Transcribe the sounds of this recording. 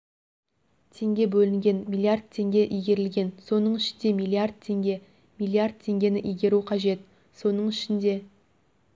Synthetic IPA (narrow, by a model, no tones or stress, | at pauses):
t̪ʰe̞ŋɡʲe̞bɵlɪŋɡʲe̞nmilˠijard̪̚t̪ʰe̞ŋɡʲe̞ʔijɡʲe̞ɾɪlɡʲe̞nso̞nəɴɪʃɪnd̪e̞mijlˠiard̪̚t̪ʰe̞ŋɡʲe̞ | mijlˠiard̪̚t̪ʰe̞ŋɡʲe̞nɪʔijɡʲe̞ɾuqʰɑʒe̞t̪ | so̞nəɴɪʃɪnd̪e̞